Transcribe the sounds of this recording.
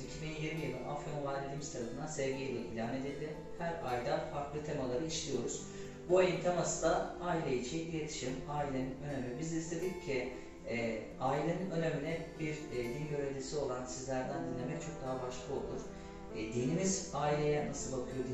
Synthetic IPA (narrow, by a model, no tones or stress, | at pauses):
icʰibinjiɾmijɯlˠɯnafonuvaɾlʲed̪iːmizt̪ʰaɾafɯnd̪ansɛvɟejilʲɛʔḭlʲaːne̞d̪ilʲd̪ʲɪ | hæɾajd̪afaɾklˠɯt̪ʰe̞malˠaɾɯiʃlʲijo̞ɾuz̥ | buajɯnt̪ʰamasɯd̪aaːilʲejit͡ʃʰijet̪ʰi̥ʃimaːilʲinø̞nemʲɛbizist̪e̞d̪iccʰi | aːilʲinø̞neminɛbiɾd̪ilʲɟøɾevʲd̪ʲisio̞lˠansizlʲæɾd̪ænd̪inlʲe̞mɛc̚t͡ʃʰo̞k̚d̪aɦabaʃlˠɯo̞lˠuɾ̥ | d̪iːnimizaːilʲejɛnasɯlbakʰɯjo̞ɾd̪i